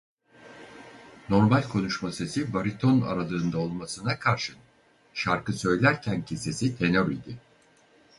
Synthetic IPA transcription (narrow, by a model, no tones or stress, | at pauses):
no̞ɾmalʲkʰo̞nuʃmase̞sivaɾit̪ʰo̞na̰ɾalˠɯːnd̪ao̞lˠmasɯnakʰaɾʃɯ | ʃaɾkɯsø̞jlʲæɾcʰæncʰise̞sit̪ʰe̞nøɾijd̪ɪ